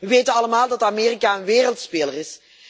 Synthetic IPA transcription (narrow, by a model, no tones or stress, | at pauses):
ʋəʋeːjtənɑləmaːlˠdɑtameːrikaːənʋeːrəlˠtspeːlərɪs